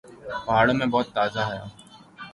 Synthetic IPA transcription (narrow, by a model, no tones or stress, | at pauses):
pɐɦaːɽomẽːbɔːʊt̪ːaːzaːɦʊja̰ː